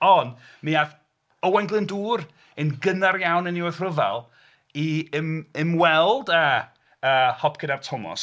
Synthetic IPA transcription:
ɔnmiað | əwɛŋɡlˠɨnduːɾ | ɪnɡənaɾjawnɪniɔθrəva̰lˠ | iəmɪmwɛlˠda | əːhɔpʰkʰədartʰɔmɔ̰s

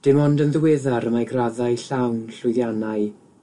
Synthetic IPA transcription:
d̥ɪmɔndənðəwɛðaɾəmajɡraðajɬawnɬʊjðjanaɨ

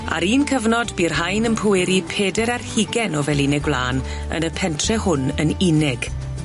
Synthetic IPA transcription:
a̰ɾiːnkʰəvnɔdbirɦajnənpʰʊɪɾipʰeːdɛɾarhɪɡɛnɔvɛlˠɪnɛɡbla̰ːn | ə̰nəpʰɛntʰrɛhʊnənɪnɪɡ̥

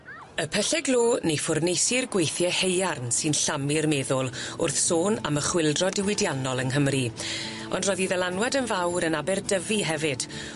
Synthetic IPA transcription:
əpʰɛɬɛɡlˠoːnejfʊrnejsɪrɡwejθjɛhejarnsɨnɬamɪrmɛðʊlˠʊ̰rθsoːna̰məχwɪlˠdrɔdɪwɪdjanɔlˠənɦəmri | ɔndrɔðiðɛlˠanwɛdənvawɾənabɛrdəviɦɛvɨd̥

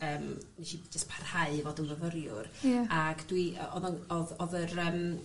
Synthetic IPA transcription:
əːmmiʃid͡ʒəspʰarhaɨvoːdənvəvəɾjʊraɡd̥wiɔðɔnɔðɔðəɾəːm

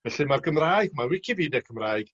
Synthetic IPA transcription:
vɛɬɨmarkʰəmraːjɡ̥marwɪkʰiviːdɛkʰəmraːɨɡ̥

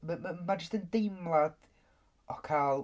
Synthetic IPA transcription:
məmmad͡ʒəstəndɪmlˠad̥ | ʔɔkʰalˠ

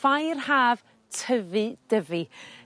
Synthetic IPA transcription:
fajrhaːv | tʰəvɨd̥əvɨ

